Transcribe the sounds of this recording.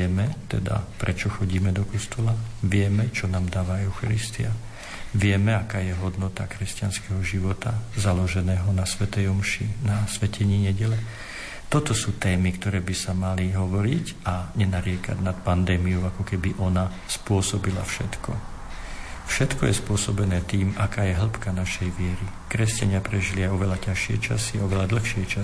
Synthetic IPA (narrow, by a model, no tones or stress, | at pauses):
ɛmɛt̪ɛ̰d̪a̰pɾʔɛt͡ʃɔxɔɟiːmɛd̪ɔkɔst̪ɔlaʋɪɛmɛt͡ʃɔnaːmd̪aːʋaɛʊxaɾist̪ia | ʋɪɛmɛakaːjɛɦɔd̪nɔt̪akɾɛscɪanskɛɦɔʒiʋɔt̪azalɔʒɛnɛːɦɔnasʋɛt̪ɛjɔmʃinasʋɛcɛɲiːɲɛɟɛlɛ | t̪ɔt̪ɔsuːt̪ɛːmikt̪ɔɾɛːbisamaliɦɔʋɔɾicaɲɛnaɾɪɛka̰ɟnat̪pand̪ɛːmijɔʊakɔkɛbiʔɔna | spʊɔsɔbilafʃɛt̪kɔ̰ | fʃɛt̪kɔjɛspʊɔsɔbɛnɛːt̪iːmakaːjɛɦl̩pkanaʃɛjʋɪɛɾi | kɾɛscaɲɪapɾɛʒiliajɔʋɛlacaʃɪɛ̰t͡ʃa̰siaɔʋɛlad̪l̩ˠxʃɪɛt͡ʃa